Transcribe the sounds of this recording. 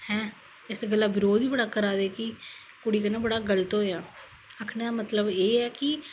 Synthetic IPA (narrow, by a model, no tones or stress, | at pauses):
hɛ̃ː | ɪsɡəlːaːbɪɾoːd̪iːbəɽaːkəɾaːd̪eːki | kʊɽiːkənaːbəɽaːɡələt̪ɦojaː | əkʰnaːmət̪ləbeːɛːkɪ